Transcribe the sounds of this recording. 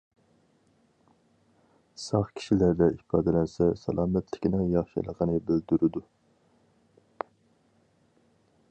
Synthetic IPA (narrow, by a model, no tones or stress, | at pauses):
sɑχkʲʰi̥ʃilæɾd̪ɛipɑːd̪ɛlɛnsɛsɛ̰lˠɑːmɛt̪ʰlɪkʲinɨŋjɑχʃɑ̰lˠəʁɑnɨbøld̪yɾyd̪u